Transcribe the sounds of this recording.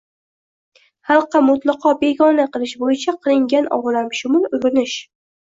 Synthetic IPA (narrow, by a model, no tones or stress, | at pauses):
hɑlˠqːɑmʊt̪lˠɑqʰɒbe̞ɡɒnaqʰɨlˠɪʃbojɪt͡ʃʰaqʰɨlˠɪŋɡʲanʔɒ̰ʁlamʃʊmʊlˠʊjɾʊnɪʃ